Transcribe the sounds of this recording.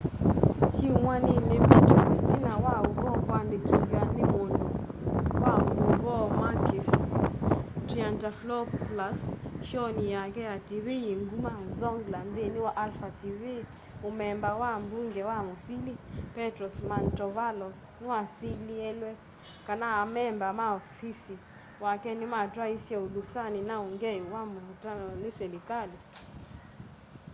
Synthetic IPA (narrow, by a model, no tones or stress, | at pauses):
t͡ʃiumwaninepitoitinawauɡɔkwandekʰiɡanɪwondowamuɡɔmakɪs | tiantaflɔpːlasʃɔnɪjaɡɛatiwijiŋɡumazɔŋɡlandenɪwaʔalfative | omɛmbawambuŋɡɛwamosilipɛtɾɔsmantɔvalɔsnɪwasiliɛlwɛ | kanaːmɛmbamaɔfisi | wakɛnɪmatwaisjɛodusanɪnaoŋɡɛwamuɔtanɔnɪsɛlikali